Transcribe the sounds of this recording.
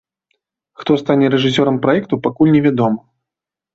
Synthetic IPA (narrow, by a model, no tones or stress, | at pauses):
xt̪ɔst̪anʲɛɾɛʐɨs̬ʲɔɾɐmpɾajɛkt̪upakulʲnʲɛvʲad̪ɔmɐ